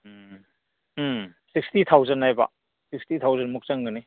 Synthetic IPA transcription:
sik̚stit̪ʰawzɐnːajba̰ | sikstit̪ʰawzɐnmuk̚t͡ʃaŋɡɯni

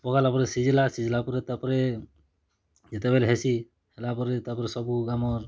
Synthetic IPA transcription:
pɔkalapɔɾɛsizɛlasizilapɔɾɛtapɔɾɛ | zɛtɛbɛlɦɛsi | hɛlapɔɾɛtapɔɾɛsɔbuɡamɔɹ

